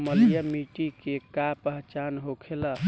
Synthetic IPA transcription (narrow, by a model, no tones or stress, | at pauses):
məljəmiʈikekapəɦt͡ʃanɦokʰelə